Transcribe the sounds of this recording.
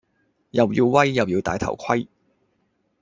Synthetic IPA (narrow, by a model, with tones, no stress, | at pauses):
jɐ˨wji˧wwɐ˥jːɐ˨˩wjiː˧wt̪aː˨jt̪ʰɐ̰˨˩wkʰɐ˥j